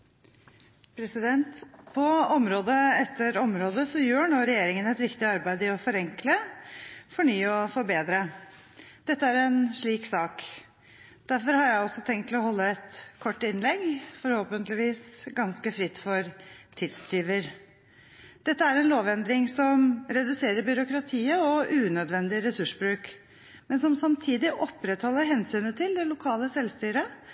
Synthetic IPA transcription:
pʰɾɛsɪd̪ɛnt̪pʰɔɔmɾoːd̪əɛt̪ːəɾɔmɾoːd̪əsɔjøːɳoːɾɛjeːɾɪŋənɛt̪ʋɪkt̪ɪɑɾbæɪd̪ɪɔfɔɾɛŋklə | fɔɳyːəɔfɔɾbeːd̪ɾə | d̪̥ɛt̪ːəæɾɛnʂɭiːksɑːk | d̪̥æɾfɔɾhɑɾjæɪɔsːɔt̪ʰɛŋkt̪ʰɪlɔɦɔlːəɛt̪kʰɔʈːɪnːlɛɡfɔɾhoːpənt̪lɪʋiːsɡɑnskəfɾɪt̪ːfɔɾt̪ʰɪd̪st̪ɾiːʋəɾ | d̪̥ɛt̪ːəæɾɛnloːʋɛnd̪ɾɪŋsɔmɾɛd̪ʉseːɾəɾbʏɾʊkɾɑt̪ʰiːəɔʉːnœd̪ʋɛnd̪ɪɾɛsʉʂbɾʉːk | mɛnsɔmsɑmt̪ʰiːd̪ɪʔɔpːɾɛt̪hɔlːəɾɦɛnsyːnət̪ʰɪld̪ɛlʊkʰɑːləsɛlst̪yːɾə

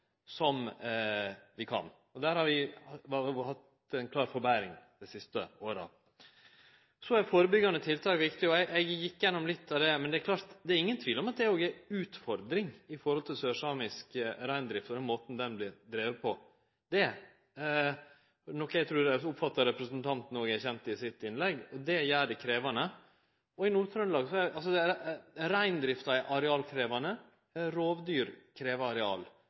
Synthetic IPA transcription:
sɔm | ʋɪkʰɑ̰n | ɔd̪æːɾhɑɾʋɪ | hɑt̪ | ɛnkʰlɑːɾfɔɾbæɾɪŋd̪̥ɛsɪst̪ə̰oːɾə̰ | sɔæɾfoːɾəbʏɡːɑnət̪ʰɪlt̪ʰɑːkʋɪkt̪ɪɔɛɪʔɛɪɡjɪkːjɛnːɔmlɪt̪ʰːɑʋd̪ɛmɛnd̪ɛæɾkʰlɑːɾt̪d̪ɛæɾɪŋːənt̪ʰʋiːlɔmɑt̪̚d̪ɛoːɡæʉːt̪fɔɾd̪ɾɪŋɪfɔɾhɔlt̪ʰɪlsøːʂɑːmɪskɾæɪnd̪ɾɪft̪ɔd̪ɛnmoːt̪n̩d̪ɛnblɪɾd̪ɾeːʋəpʰɔ | d̪ɛ | nɔkːæɡt̪ʰɾʉːɾʊpfɑt̪ːɑɾɛpɾəsənt̪ʰɑnt̪n̩ɔːɡæçɛnt̪ɪsɪt̪ɪnlɛɡɔd̪ɛjæːɖɛkʰɾeːʋɑnə | ɔɪnuːt̪ʰɾœnlɑːɡsɔɛʔɑlsɔd̪ɛɾæɪnd̪ɾɪft̪ɑʔɑɾɛɑːlkʰɾeːʋɑnə | ɾoːʋd̪yːɾkʰɾeːʋəɑɾɛɑ̰ːl

